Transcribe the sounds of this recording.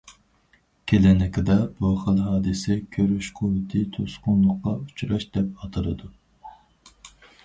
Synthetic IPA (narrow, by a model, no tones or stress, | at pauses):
kʲʰelɛnɪkʲɪd̪ɛbuχəlˠɦɑːd̪ɨsɛkʲʰøɾyʃqʰowɪt̪ʰit̪ʰosqʊnlˠʊqːɑut͡ʃʰɾɑʃd̪ɛp̚ɑt̪ʰɨɾɨd̪u